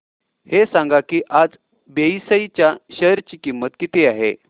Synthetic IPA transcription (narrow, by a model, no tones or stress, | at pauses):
hesãŋɡakiːʔad͡z | beisəit͡ɕjaɕəɾt͡ɕiːkimːət̪kit̪eaɦḛ